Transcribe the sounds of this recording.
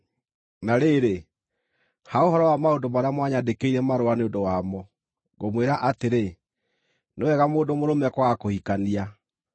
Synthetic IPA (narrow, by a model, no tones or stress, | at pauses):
naɾeɾe | haoɦɔɾɔwamaodomaɾeamwaɲadekeiɾɛmaɾoaneodowamɔ | ɣomweɾaʔateɾe | newɛɣamoːndomoɾomɛkwakohikania